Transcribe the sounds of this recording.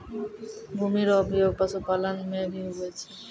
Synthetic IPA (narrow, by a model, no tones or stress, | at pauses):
bʱumiɾɔbʱijoɡ̚pasʰopalanmebiuɦojet͡ɕʰe